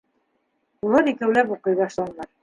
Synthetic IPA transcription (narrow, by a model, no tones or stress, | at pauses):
ulˠɤɾikæwlæpuqɤ̆jðɑʃlˠɑnɑɾ